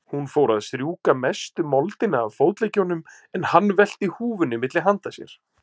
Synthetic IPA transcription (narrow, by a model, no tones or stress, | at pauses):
hunfowɾaðst̪ɾjuːkamɛst̪ʏmɔlt̪ɪnaːvfowt̪lecːonːʏm | ɛnhanːvɛl̥t̪ɪhuːvʏnɪmɪt̪lɪɦant̪asjɛ̰ɾ̥